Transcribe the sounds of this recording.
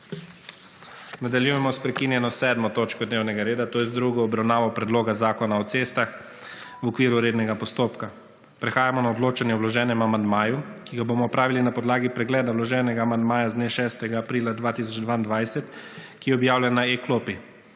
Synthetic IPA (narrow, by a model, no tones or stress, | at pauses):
nad̪aljujɛmɔspɾɛkinjɛnɔsɛːd̪mɔt̪oːt͡ʃkɔd̪newnɛɡaɾeːd̪at̪oːjɛzd̪ɾuɡɔːbɾawnaːʋɔpɾɛd̪loːɡazaːkɔnaɔt̪sest̪ax | wɔkʋiːɾuɾeːd̪nɛɡapɔst̪oːpka | pɾɛxaːjamɔnaɔd̪loːt͡ʃanjɛwlɔʒɛːnɛmamand̪maːjukiɡaboːmɔɔpɾaːʋilinapɔd̪laːɡipɾɛɡlɛːd̪awlɔʒɛːnɛɡaːmand̪maːjazd̪neʃɛːst̪ɛɡaːpɾiːlad̪ʋaːt̪iːsɔt͡ʃd̪ʋaind̪ʋajsɛt̪kijɛɔbjaːwlʲjanaeklopi